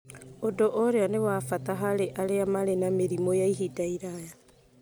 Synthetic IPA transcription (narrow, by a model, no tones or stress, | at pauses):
odoʔoɾeanewaːfataɦaɾeʔaɾeamaɾenameɾimojaiɦidaiɾaja